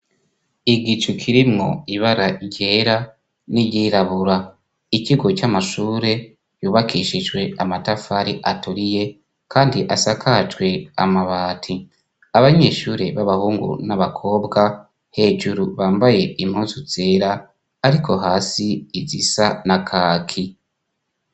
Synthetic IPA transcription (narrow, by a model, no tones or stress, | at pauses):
iɡit͡ʃukʰiɾimŋo̞̰iβaɾaɟeːɾa | nijiːɾaβuɾa | ikiɡo̞t͡ʃamaʃuːɾe̞ | juːβakʰiːʃid͡ʒɡwe̞amatafaɾiʔatuɾije̞ | kʰaːndiʔasakʰad͡ʒɡwe̞a̰maβaːtʰi | aβaɲe̞ʃuːɾe̞βaβahuːŋɡṵnaβakʰo̞ːbɡa | he̞ːd͡ʒuɾuβaːmbaje̞im̥huːnzuz̥e̞ːɾaː | ɾikʰo̞ɦaːsiːzisanakʰaːkʰi